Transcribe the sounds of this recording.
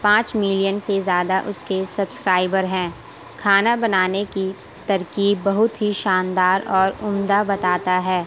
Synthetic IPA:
pãːt͡ʃmɪlijənsezjaːd̪aʔʊskesɐbskɾaːɪbəɾɦɛ̃ː | kʰaːnabɐnaːneki | t̪ɐɾkiːbːɐɦʊt̪ɦiʃaːnd̪aːɾɔːɾʊmd̪abɐt̪aːt̪aɦɛː

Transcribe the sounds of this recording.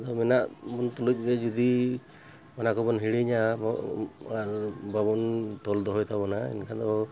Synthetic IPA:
d̪ɔmɛnaʔbɔnt̪ɔluc̚ˀɡɛd͡ʒud̪i | manakɔbɔnɦiɽiɲamɔaɾbabɔnt̪ɔld̪ɔɦɔjt̪ʰabɔnaɛ̰nkʰad̪ɔ

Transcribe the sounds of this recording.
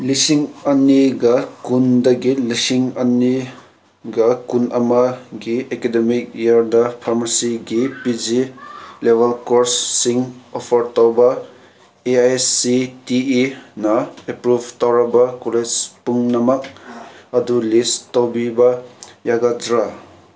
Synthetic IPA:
lisiŋɐnːiɡɐkundɐɡilisiŋɐnːi | ɡɐkunʔɐmɐɡiekedemik̚jaɾdɐpʰaɾmasiɡipid͡ʒilebʱɐlkoɾsːiŋopʰɐɾtawbɐ | eajsitiinɐepɾubʱtawɾɐbakoled͡ʒpuŋnɐmɐk̚ɐdulistawbibajaɡadɾa

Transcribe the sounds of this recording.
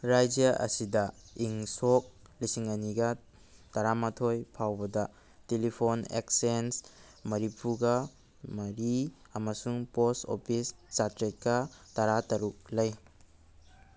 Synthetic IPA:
ɾajd͡ʒjɐʔɐ̰sidɐiŋsok̚ | lisiŋɐniɡɐ | tɐɾamatʰojpʰawbɐdɐ | telipʰonḛksens | mɐɾipʰuɡɐ | mɐɾi | ɐmɐsuŋposto̰pʰist͡ʃatɾet̚kɐtɐɾatɐɾuk̚lɐj

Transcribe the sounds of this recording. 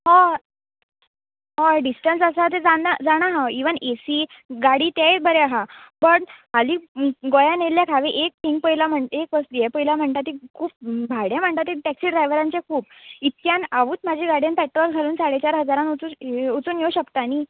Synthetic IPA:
ɦɔ | ɦɔ̃ɖisʈənsəsat̪̬ed͡zaad͡zaɽ̃aɦaiʋənʔesiː | ɡaɽiːt̪jajbəɾeaɦabəʈɦaliːɡojãneljakʰaʋeʔek̚ʈ̪ʰiŋɡ̚pəɦilam̤əɳek̚ʋəsd̪ijepəɦilam̤əɳt̪at̪ikʰuːp̚bʱaɽjãm̤əɳt̪at̪iʈɛksiːɖɾajʋəɾãɲt͡ɕekʰuːp̚it̪̚kjãnaʋuːt̪mad͡ʑʱiɡaɽjanpɛʈɾɔlɡʱaluːnsaɽet͡ɕaɾɦəd͡zaɾãnut͡suut͡suːnjowɕəkt̪ani

